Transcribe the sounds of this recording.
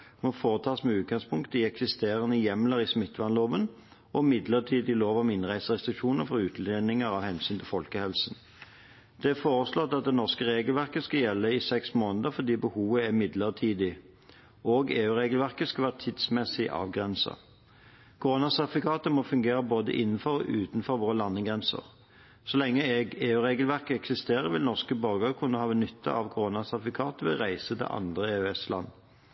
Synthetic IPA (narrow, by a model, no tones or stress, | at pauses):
mɔfoːʁət̪ʰɑːsmɛːʉːt̪̚ɡɑŋspʰʊŋkt̪əɪɛksɪst̪eːʁənəjɛmləʁiːsmɪt̪ːʋɑnloːʋən | ɔmɪd̪ləʁt̪ʰiːd̪ɪloːʋɑmɪnʁæɪsəʁɛst̪ʁɪkʃuːnəʁfɔʁʉːt̪ʰlenɪŋəʁɑʋhɛnsyːnt̪ʰɪlfɔlkəhɛlsn̩ | d̪̥ɛæfoːʁəslɔt̪ɑt̪̚d̪ɛnɔʁskəʁeːɡəlʋæʁkəskɑjɛlːəɪsɛksmoːnəd̪əfɔd̪iːbəhuːʋəæmɪd̪ləʁt̪ʰiːd̪ɪ | oːɡeːʉːʁeːɡəlʋæʁkəskɑʋæːʁt̪ʰid̪smɛsɪʔɑ̰ːʋɡʁɛnsə̰ | kʰʊʁoːnɑsɛt̪ɪfɪkʰɑːt̪əmɔfʉŋɡeːʁəboːd̪ə̰ʔɪnːn̩fɔɾɔʔʉːt̪n̩fɔɾʋoːʁəlɑnːəɡʁɛnsə̰ʁ | sɔlɛŋːəɛɡeːʉːʁeːɡəlʋæʁkəɛksɪst̪eːʁəʋɪlnɔʁskəbɔɾɡəkʰʉnːəhɑːʋɛnʏt̪ʰːɑ̰ɑʋkʰʊʁoːnɑsɑfɪkʰɑːt̪əʋɛ̰ʁæɪsət̪ɛ̰ʔɑ̰nd̪ʁəeːʉɛslɑ̰nː